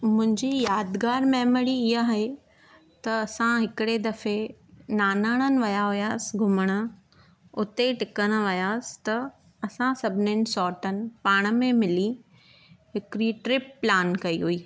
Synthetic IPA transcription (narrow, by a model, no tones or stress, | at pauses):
mʊ̃ɦɪ̃ɲd͡ʑijaːd̪ɡaːɾmɛːməɽiɪɦaɦɦe | t̪ɐɐsãɦɪkɪɽed̪ɐfenaːnaːɽ̃ənɪ̆ʋɐjaɦʊjaːsɪ̆ɡʱʊməɽ̃ə | ʊt̪eʈɪkəɽ̃ə̆ʋɐjaːsɪ̥̆t̪ɐ | ɐsãsɐbʱɪnɪnɪ̆sɔːʈənɪ̆paːɽ̃ə̆mẽmɪli | ɦɪkɪɾiʈɾɪp̚ːlaːnkɐiɦuiː